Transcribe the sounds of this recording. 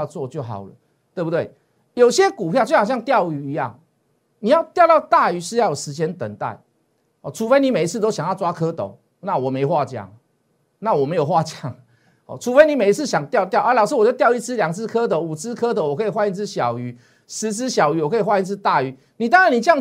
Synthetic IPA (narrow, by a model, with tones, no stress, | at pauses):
t͡swɔ˥˨t͡ɕjo˥˩ʊɦɑ̰˨˩ʊlə̰˦ | t̪we˥˩bu˧t̪we˥˩ɪ | jo˨ʊɕjɛ˦˥ku˨˩pʰjɑ˥˩t͡ɕo˥˩xɕja˥˧ŋt̪jɑ˥˨ʊy˧˦i˧˦jɑ̰˥˩ŋ | ni˨˩jɑ˥˧ʊt̪jʊt̪ɑ˥˨ʊt̪a˥˩y˧˦ʂɻ̩˥˧˦jjo˨˩ʂɻ̩˧˥t͡ɕjɛ˥nt̪ə̰˨˩ŋt̪a̰˥˩ɪ | hɔ˨˩ʈ͡ʂʰu˧˥fe˧˥ɪni˧˦me˨˩i˧t͡s̩ʰ˥˧t̪o˥ʊɕjŋjɑ˥˩ʊt͡swa˥kʰɤ˥˦t̪o̰˨˩˦ʊ | na˥˨wɔ˨˩me˧˥ɪxwa˥˨t͡ɕjɑ̰˥˩ŋ | na˥˨wɔ˨˩me˧˥ɪjo˨˩ʊxwa˥˧t͡ɕja˥˩ŋ | hɔ̰˨˩ʈ͡ʂʰu˧˥fe˥ɪni˨˦me˨˩ɪi˧t͡s̩ʰ˥˩ɕjɑ˨˩ŋt̪jɑ˥˧ʊt̪̬jɑ˥˩ʊʔə˧˦lɑ˨ʊʂ̬ɨ˥˨wt͡ɕjtjʊi˥˩t͡sʰɹ̩˥lja˨˩ŋt͡sʰɹ̩˥˧kʰɤ˥˦d̪ə˨u˨˩t͡sʰɹ̩˥˦kʰɤ˦d̪ə˨wɔ˨˩kʰɤ˧˥i˨xwa˥˧ni˥˧t͡s̩ʰ˥ɕjɑ˨˩ʊy˧˦ | ʂɻ̩˧˦t͡s̩ʰ˥ɕjɑ˨˩ʊy˨˧˥wɔ˨˩kʰi˨˩xwa˥˧i˥˧t͡s̩ʰ˥˧t̪a˥˨y˨˦ | ni˨˩t̪̬ɑ˥ŋɻa˧˦ni˨˩ja˥˧